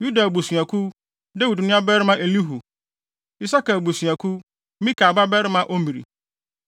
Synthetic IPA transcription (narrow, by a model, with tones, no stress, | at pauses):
ju˦da˨bu˨sa˨kʰu˦ | da˦wi˨dnʊ̃˦a˦bɛ˦ɾɪ˦mã˦ʔe˨li˦ɦu˨ | i˦sa˦kɛ˨lbu˨su˨a˨kʰu˦ | mĩ˦kʰa˨ba˦bɛ˦ɾɪ˦mã˦ʔo˦mi˨ɾḭ˨